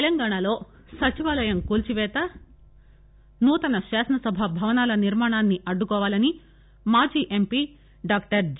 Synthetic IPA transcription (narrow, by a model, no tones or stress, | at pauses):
lɐŋɡaːɳalo̞ː | sɐt͡ʃiʋaːlɐjɐmkuːlt͡ʃiʋɛːt̪ɐ | nuːt̪ɐnɐʃaːsɐnɐsɐbʱɐbʱɐʋɐnaːlɐniɾmaːɳaːnːiʔɐɖːukɔːʋaːlɐni | maːd͡ʒiːʔe̞mpiː | ɖaːk̚ʈɐɾd͡ʒ